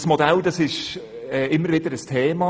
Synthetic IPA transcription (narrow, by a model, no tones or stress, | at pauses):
smodæld̥ɑsɪʃ | ɛɪmːəɾvɪdəɾəstʰeːmɑ